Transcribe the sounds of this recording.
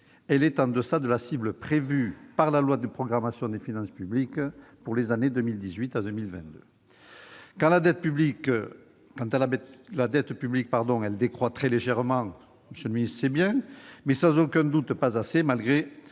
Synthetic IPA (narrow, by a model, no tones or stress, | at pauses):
ɛlɛt̪ɑ̃d̪əsad̪əlasibləpχevypaʁlalwad̪əpχɔɡʁamasjɔ̃d̪efinɑ̃sə̥pyblikpuʁlezaned̪əmild̪izɥit̪ad̪ømilvɛ̃n̚d̪ø̰ | kɑ̃lad̪ɛt̪̚pyblik | kɑ̃t̪aaɛlad̪ɛt̪pyblik̚paʁd̪ɔ̃ɛld̪ekχwat̪χɛleʒɛʁəmɑ̃ | məsjøləminist̪sɛbjɛ̃mɛsɑ̃zɔkɛ̃d̪ut̪pazasemalɡʁe